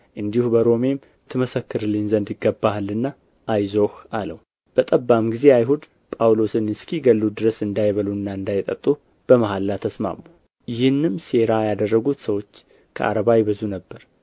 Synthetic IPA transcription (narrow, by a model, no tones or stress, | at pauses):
ʔɨnd̪ihubəɾo̞me̞m | t̪ʰɨməsəkːɨɾlinzənd̪jɪɡːəbːalɨnːa | ʔajzo̞haləw | b̥ət̪ʼəbːamɡize̞ajɦud̪ | pʼawlo̞sɨnɨskʰiɡəlːud̪ɨɾəsɨnd̪ajβəluɨnːaɨnd̪ajt̪ʼət̪ʼːu | b̥əmaɦalːat̪ʰəsma̰mːu | jɪhɨnːɨmse̞ɾajad̪ərːəɡut̪səwo̞t͡ʃː | kʰə̰ʔa̰ɾəβajbəzunəbːəɾ